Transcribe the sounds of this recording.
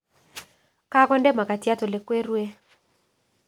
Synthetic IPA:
ka˦kɔ˦ndɛ˦ma˨ka˨tja˦to˨le˨kwe˦ɾwe˦

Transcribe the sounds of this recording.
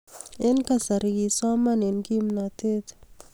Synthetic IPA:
e˦nka˨sa˨ɾi˨ɡi˨sa˦ma˦ne˨nki˦mna˨t̪e˦t̪

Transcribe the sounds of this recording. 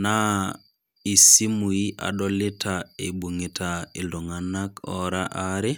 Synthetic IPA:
na˦ | i˨si˦mu˨i˦ʔa̰˨ɗɔlɪ˦tʰaḛ˨ɓu˨ŋi˨tʰae˨lo˨ŋana˦kɔ̰˦ɾaʔaɾɪ˦

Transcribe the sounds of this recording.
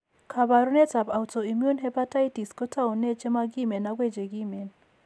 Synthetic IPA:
kʰa˨βa˨ɾu˦nɛ˦ta˨ba˨wtɔ˨i˨mju˦nɦɛ˦pa˦ta˦iti˨skɔ˦ta˦u˨nɛ˦t͡ʃɛ˦ma˦ɡi˦mɛ˨nːa˨ɡwɛ˦˨d͡ʒɛ˨ɡi˦mɛ˨n

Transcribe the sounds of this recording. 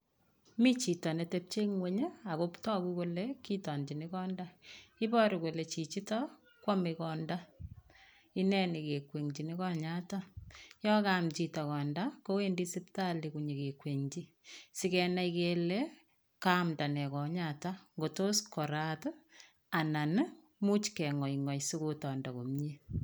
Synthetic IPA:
mi˦t͡ʃi˨tɔ˨ne˨te˦p̚t͡ʃe˦ŋwe˦ɲe˦a˨ko˦ptɔ˦kuko˦leki˦tɔ˨nd͡ʒi˨nɪ˦kɔ˦nda˦i˦bɔ˦ɾiko˨le˨t͡ʃi˨t͡ʃi˦tɔ | kwɔ˦mikɔ˨nda˦ | i˦nɛ˦ni˨ke˨kwe˨ŋd͡ʒi˨ni˦kɔ˦ɲata˦jɔ˦kamt͡ʃi˨tɔ˨kɔ˨nda˦ko˦we˦ndi˦si˦p̚ta˦li˨ku˨ɲe˨ke˨kwe˨ŋt͡ʃi˦ | si˦kɛ˨na˦ikele˦ | ka˦mda˨nɛ˨kɔ˨ɲata˦ŋɡo˨to˦skɔ˨ɾat | a˨na˨n | mu˦t͡ʃkɛ˨ŋɔ˨iŋɔ˨jsu˦ko˦tɔː˨nda˨ko˨mɲe˦

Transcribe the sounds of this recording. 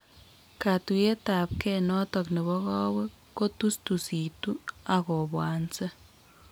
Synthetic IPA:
ka˨t̪ue˦t̪a˨p̚kenɔ˦t̪ɔ˨kne˨βɔ˦ɣɔ˦we˦ | ko˦t̪u˦st̪u˨si˨t̪u˦aɣo˨bwa˨nt͡se˦

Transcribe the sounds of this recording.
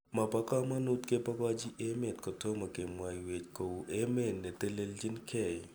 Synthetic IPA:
ma˨pa˦ka˦ma˦nu˦t̪ke˦pa˦ka˦d͡ʒi˦ʔe˦me˨t̪̚kɔ˨to˦ma˨ke˨mwa˨jwe˨t͡ʃko˨u˨ʔe˦me˨nːɛ˨t̪e˦le˦ld͡ʒɪ˦nkʰɛ˦˨

